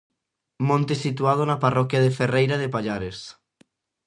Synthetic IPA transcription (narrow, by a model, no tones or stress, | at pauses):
mõnt̪esit̪uað̞onaparɔkjaðeferejɾaðepaʎaɾes